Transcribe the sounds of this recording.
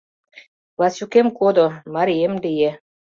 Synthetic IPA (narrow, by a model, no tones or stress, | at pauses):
lɑsukemkod̪omɑɾijemd̪eje